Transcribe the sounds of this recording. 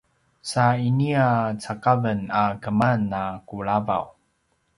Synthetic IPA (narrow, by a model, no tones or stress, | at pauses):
sainiat͡sakavənakəmanːakuɭava̰w